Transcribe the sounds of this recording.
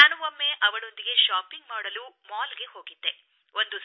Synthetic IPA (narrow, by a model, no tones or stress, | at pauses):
naːnuʋɐmːeʔɐʋɐɭo̞nd̪iɡe̞ʃaːpiŋɡmaːɽɐluːmaːlɡe̞ho̞ːɡid̪ːe̞ | o̞nd̪us